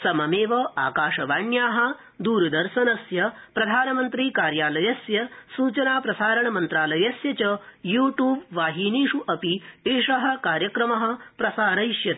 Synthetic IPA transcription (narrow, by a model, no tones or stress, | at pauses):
sɐmɐmeːʋɐaːkaːʂɐʋaːɳjaːɦɐ̆ | d̪uːɾɐd̪ɐɾʃɐnɐsjɐpɾɐd̪ʱaːnɐmɐnt̪ɾiːkaːɾjaːlɐjɐsjɐsuːt͡ʃɐnaːpɾɐsaːɾɐɳɐmɐnt̪ɾaːlɐjɐsjɐt͡ʃɐjuːʈjuːbʋaːɦiniːʂuʔɐpieːʂɐɦɐ̆kaːɾjɐkɾɐmɐɦɐ̆pɾɐsaːɾɐʃjɐt̪i